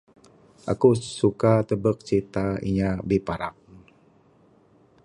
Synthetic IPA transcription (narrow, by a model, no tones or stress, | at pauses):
ʔa̰kusukat̪əbək̚t͡ʃit̪aḭɲabipaɾa̰k̚